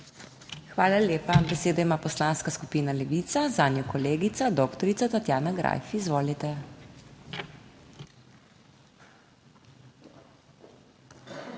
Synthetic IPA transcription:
xʋaːlalʲjeːpabɛseːd̪ɔimaːpɔslaːnskaskupiːnalɛʋit̪sazaːnjɔkɔleːɡit̪sad̪ɔːkt̪ɔɾit̪at̪at̪jaːnaɡɾa̰jfizʋoːlit̪ɛ

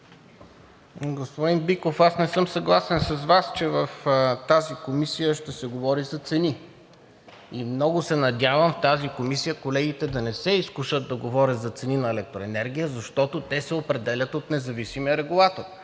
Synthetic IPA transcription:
ɡospod̪inbikofasnɛsɤmsɐɡlˠasɛnsɐzvast͡ʃɛvəft̪azikomisijəʃt̪ɛsɛɡovɔɾizɐt̪sɛni | imnɔɡʊsɛnɐd̪ʲjavəmft̪azikomisijəkolɛɡ̟it̪ɛd̪ɐnɛsɛiskuʃəd̪̚d̪ɐɡovɔɾʲət̪zɐt̪sɛninɐɛlɛk̚t̪ɾoɛnɛɾɡ̟ʲijəzɐʃt̪ɔt̪ot̪ɛsɛopɾɛd̪ɛlʲət̪ot̪nɛzɐvisimijəɾɛɡulˠat̪or

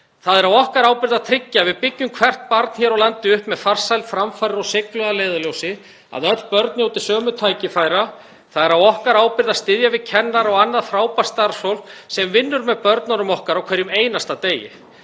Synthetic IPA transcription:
θaðɛɾawɔhkaɾawpɪɾðaðt̪ʰɾɪcːavɪðpɪcːʏmkʰv̥ɛr̥t̪̚paɾt̪n̥çɛːɾawlant̪ɪʏhpmɛðfar̥sajlt̪fɾamfajɾɪɾɔwsɪklœðaleːjðaljowsɪ | a̰ðœt̪l̥pœɾt̪njawt̪ɪ̥sœːmʏt̪ʰaːjcɪfajɾa | θaðɛɾawɔhkaɾaːwpɪɾðaðst̪ɪðjavɪðcʰɛnːaɾɔɣanːaðfɾaːwpast̪aɾsowlsɛmvɪnːʏɾmɛðpœɾt̪nanʏmɔhkaɾawkʰvɛɾjʏmeːjnast̪at̪eːjɪ̰

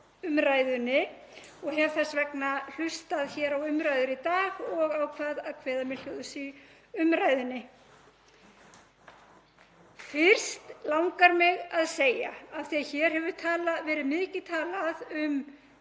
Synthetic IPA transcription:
ʏmɾaːjðʏnːɪ | ɔɣhɛv̥θɛsvɛknal̥ʏst̪aðçɛɾawʏmɾajðʏɾit̪aːɣɔɣawkʰvaːðaðkʰv̥ɛːðamɪl̥ɔðʏsi | ʏmɾaːjðʏnːɪ | fɪr̥st̪lawŋkaɾmɪɣaðseːja̰afθiaçɛɾ̥hɛvʏ̥t̪ʰaːlavɛːɾɪðmɪːcɪt̪ʰaːlaðʏm

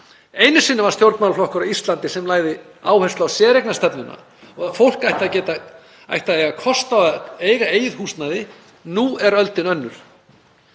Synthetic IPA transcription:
eːjnʏsinːavaɾ̥st̪jowɾt̪mawlflɔhkʏɾawist̪lant̪ɪsɛmlaːjɣðɪ | aːwhɛst̪awsjɛːɾejknast̪ɛpnʏna̰ | ɔɣafowl̥kajht̪aðcɛːt̪a | a̰jht̪aðejɣakʰɔst̪aeːjɣaeːjɪðhust̪naðɪ | nuːɛɾœlt̪ɪnœnːʏɾ̥

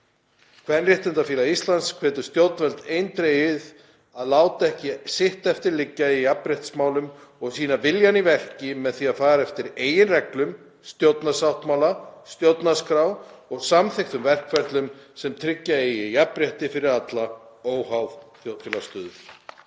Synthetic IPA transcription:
kʰvɛnrɪht̪ɪnt̪afiːlaist̪lant̪skʰvɛːt̪ʏ̥st̪jowt̪nvɛlt̪eːjnt̪ɾejɪð | aðlaːwt̪ɛhcɪsɪht̪ɛft̪ɪɾlɪcːaiapɾɛht̪smaːwlʏmɔɣsiːnavɪljanivɛr̥cɪmɛðθiaðfaːɾaɛft̪ɪɾeːjɪnrɛklʏm | st̪jowt̪nasawht̪mawlast̪jowt̪naskɾawɔɣsamθejxt̪ʏmvɛr̥kvɛrt̪lʏmsɛmt̪ʰɾɪcːaijapɾɛht̪ɪfɪɾɪɾat̪laoːwɦawðθjowt̪filast̪ʏːðʏ̥

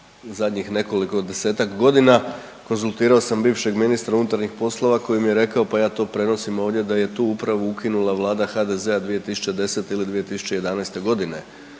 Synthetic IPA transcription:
zad̪ɲixne̞ko̞liko̞d̪ese̞ːt̪akɡo̞d̪ina | ko̞nzulˠt̪iːɾao̞sambiːʋʃe̞ɡminist̪ɾaunut̪aɾɲixpo̞slˠo̞ʋako̞jimije̞ɾe̞kao̞pajaːt̪o̞ːpɾe̞no̞simo̞ːʋd̪je̞d̪aje̞t̪uːupɾaʋuukinulaʋlˠaːd̪axaːd̪e̞ze̞ad̪ʋije̞t̪isu̥t͡ɕed̪e̞se̞t̪eilid̪ʋije̞t̪isu̥t͡ɕe̞je̞d̪anajst̪e̞ɡo̞d̪ine̞

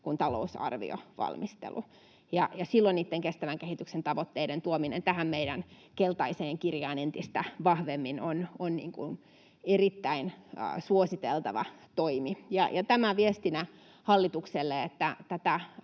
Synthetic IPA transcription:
kunt̪ɑlo̰usɑ̰rʋḭo̰ʋɑ̰lmist̪ḛlʔṵ | jɑjɑsilːonniːt̪ːeŋkest̪æʋæŋkehit̪yksent̪ɑʋot̪ːeident̪uominḛnt̪æhæmmeiɾæn | kelt̪ɑiseːŋkirjɑːnent̪ist̪æʋɑhʋemːinononnḭːŋkṵn | erit̪ːæinːsuosit̪elt̪ɑʋɑ̰t̪oimijɑjɑt̪æmæʋiest̪inæ | hɑlːit̪ukselːeet̪ːæt̪æt̪æ

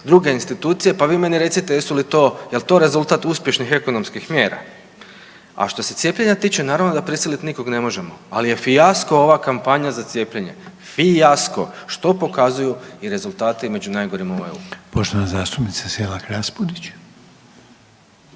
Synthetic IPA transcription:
d̪ɾuɡe̞inst̪it̪uːt̪sije̞paʋiːme̞niɾe̞t̪sit̪ejesulit̪o̞ːjelˠt̪o̞ɾe̞zulˠt̪at̪uspje̞ʃnixe̞ko̞no̞mskixmje̞ːɾa̰ | a̰ʃt̪o̞se̞t̪sjepʲʎeɲat̪iːt͡ʃe̞naːɾaʋnod̪apɾisilit̪niko̞ɡne̞mo̞ʒe̞moalije̞fijasko̞o̞ʋakampaɲazat̪sʲje̞ːpʎeɲe̞̰ | fijasko̞̰ʃt̪o̞po̞kazujuiɾe̞zulˠt̪aːt̪ime̞d͡ʑunajɡo̞ɾimoʋojṵpoʃt̪oʋnazaːst̪upnit̪saselakɾaspud̪it͡ɕ

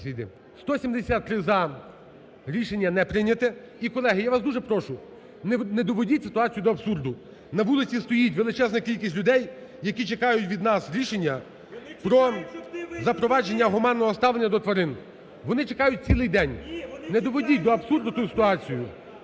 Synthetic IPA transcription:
sʲʋʲid̪ɪ̰ | st̪ɔsʲimd̪esʲat̪ːɾɪzɐ | ɾʲiʃenʲːɐnɛpɾɪnʲɐt̪ɛ | ikɔlˠɛɦɪjaʋasd̪uʒɛpɾɔʃʊ | nned̪ɔʋɔdʲitʲsɪ̥t̪ʊɑt͡sʲijʊd̪ɔɐbsurd̪ʊ | nɐʋulˠɪt͡sʲist̪ɔjitʲʋelˠɪt͡ʃɛznɐkʲilʲkʲisʲtʲlʲʊd̪ɛjjɐkʲit͡ʃekɑjʊtʲʋʲid̪nɑsɾʲiʃenʲːɐ | pɾɔ | zɐpɾɔʋɑd͡ʒe̞nʲːɐɦɔmɑnːɔɦɔst̪ɑʋlˠenʲːɐd̪ɔt̪ʋɐɾɪn | ʋɔnɪt͡ʃekɑjʊt̚ʲt͡sʲilˠɪjd̪ɛnʲned̪ɔʋɔdʲit̚ʲd̪ɔɐbsurd̪ʊt̪usɪ̥t̪ʊɑt͡sʲijʊ

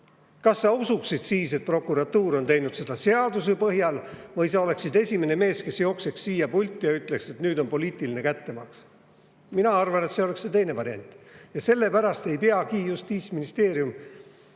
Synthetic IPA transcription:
kɑsːɑusuksid̪̥siːse̞t̪̚pro̞kːuɾɑt̪ːuːɾo̞nt̪e̞jnud̪se̞d̪̥ɑse̞ɑd̪usepɤɦjɑlvɤjs̬ɑo̞le̞ksid̪e̞sʲime̞ne̞me̞ːske̞sjo̞ːkse̞ksːiːjɑpulʲt̪ʲːˑjɑyt̪ːle̞kse̞t̪nyːd̪o̞npo̞liːt̪iline̞kæt̪ːe̞mɑks | minɑɑrvɑne̞t̪se̞o̞le̞kse̞t̪e̞jne̞vɑɾenʲt̪ˑjɑse̞lːe̞pæɾɑst̪e̞jpeɑkiːjust̪ːiːt̪sminist̪e̞ːɾjum

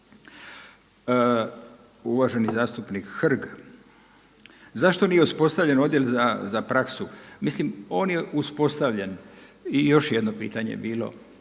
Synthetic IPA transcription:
uʋaʒe̞nizaːst̪upnikxr̩ɡ | zaʃt̪o̞nijeuspo̞st̪aʋʎe̞no̞d̪jelzazapɾaksumislimo̞ːnje̞ʔuspo̞st̪aʋʎenijo̞ʃjed̪no̞pḭːt̪aɲḛbiːlo̞̰

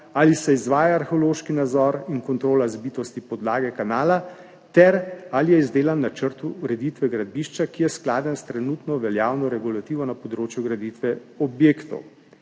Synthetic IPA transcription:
alisɛizʋaːjaːɾxeoloːʃkinad̪zɔɾiŋkɔnt̪ɾoːlazbit̪ɔst̪ipɔd̪laːɡɛkanaːla | t̪ɛɾalijɛizd̪eːlanːat͡ʃəɾt̪uːɾɛd̪it̪ʋɛɡɾad̪̚biʃt͡ʃakijɛsklaːd̪ənst̪ɾɛnut̪nɔʋɛljaːwnɔɾɛɡulat̪iːʋɔnapɔd̪ɾoːt͡ʃjuɡɾad̪it̪ʋɛ | ɔbjeːkt̪ɔ̰w

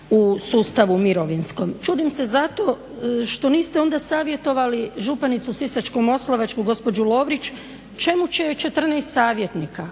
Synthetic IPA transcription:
usuːst̪aʋumiɾo̞ʋinsko̞mt͡ʃuːd̪imse̞zat̪o̞ | ʃt̪o̞niːst̪eo̞nd̪asaːʋje̞t̪o̞ʋaliʒupanit̪susisat͡ʃkomo̞slˠaʋat͡ʃkuɡo̞spo̞d͡ʒulˠo̞ːʋɾit͡ʃ | t͡ʃe̞mut͡ʃet͡ʃe̞t̪r̩neːst̪saːʋje̞t̪nika

